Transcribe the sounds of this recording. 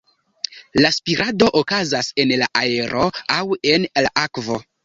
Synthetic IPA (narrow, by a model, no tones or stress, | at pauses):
laspiɾʔado̞ʔokazase̞nlaʔaeɾʔo̞awe̞nlaʔakvo̞